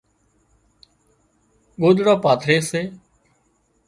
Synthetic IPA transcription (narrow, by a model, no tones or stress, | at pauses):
ɠoːd̪ɽaːpaːt̪ʰɾeːseː